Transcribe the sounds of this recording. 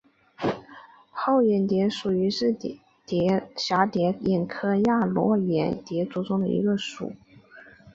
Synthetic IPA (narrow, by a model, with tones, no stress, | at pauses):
xo˥˩ʊɥɛ˨˩nt̪jɛ˧˥ʂu˨˩y˧˥ʂɻ̩˥˩ | t̪jɛ˧˥ɕja˧˥t̪jɛ˧˥jɛ˨˩nkʰɤ˥ja˥˩lwɔ˧˥ɥɛ̰˨˩˥nt̪jɛ˧˥t͡su˧˥t͡sʊ˥ŋd̪ə˨ḭ˧˥ɡə˧ʂṵ˨˩˦